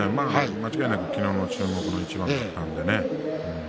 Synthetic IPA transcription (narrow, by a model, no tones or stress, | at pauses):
emaːamat͡ɕiɡainak̪okʲino̞ːnot͡ɕɨːmo̞kɯ̟no̞it͡ɕibãat̪ːãnd̪e̞neɯ̟̃